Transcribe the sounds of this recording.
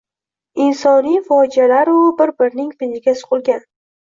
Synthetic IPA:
ɪnsɒnijfɒd͡ʒialaɾʊbɪɾbɪɾnɪŋpɪnɪɡʲasʊ̥qʰʊlˠɡʲan

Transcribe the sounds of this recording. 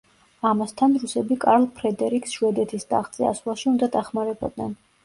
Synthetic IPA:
amast̪ʰanɾusɛbikʼaɾlˠpʰɾɛd̪ɛɾiksʃwɛd̪ɛt̪ʰisd̪a̰ːχt̪sʼɛa̰swlˠaʃiund̪ad̪aχmaɾɛbɔ̰d̪nɛ̰n

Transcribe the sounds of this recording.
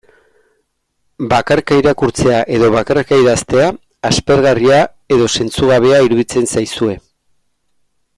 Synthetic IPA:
bakaɾkaiɾakuɾt͡se̞aʔe̞ðo̞βakarkaiðast̪e̞aː | spe̞ɾɣaria | e̞ðo̞se̞nt͡suɣaβ̞e̞aiɾuðit͡se̞nsajsue̞

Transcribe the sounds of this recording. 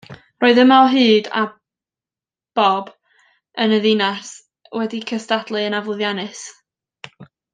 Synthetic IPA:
roːɨðəmalˠɦɨːda̰ | b̥ɔb | ənəðɪnas | wɛdikʰəstadlˠɨənavʊðjanɨs

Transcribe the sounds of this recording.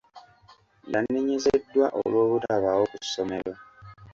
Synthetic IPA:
ndanːeɲe̞zedːwaʔo̰lwo̞ːβutaβawo̞kuso̞me̞̰lo̞

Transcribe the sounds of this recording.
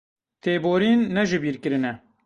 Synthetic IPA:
t̪ʰeːboːɾiːnːɛʒɪbiːɾkɨɾɨnɛ

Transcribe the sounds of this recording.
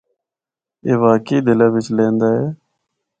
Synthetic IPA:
eːʋaːkeiːd̪ɪlaːʋɪt͡ʃlẽːnd̪aːɦeː

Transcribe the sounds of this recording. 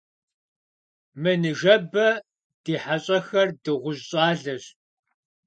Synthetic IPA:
mɨnɨʒɐbɐ | d̥iːħaɕʼɐxɐrdɨʁʷʊʑɕʼaːɮɨɕ

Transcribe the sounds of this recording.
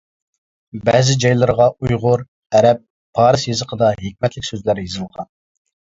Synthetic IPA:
bɛzɪd͡ʒɑjlˠɨɾəʁɑujʁʊɾ | ɛɾɛp̚ːʰ | ɑːɾɨsjezəqʰəd̪ɑɦek̚ʲmɛt̪lɪkʲsøzlæɾjizɨlˠʁɑ̰n

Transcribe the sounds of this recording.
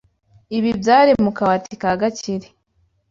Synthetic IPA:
iβibjaːɾemukawatʰikaɡaciɾe

